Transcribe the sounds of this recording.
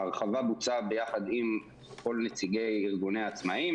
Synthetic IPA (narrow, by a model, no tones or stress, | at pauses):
aʁχavabut͡sabe̞jaχad̪im | ko̞lnet͡siɡe̞jiʁɡunejat͡smaim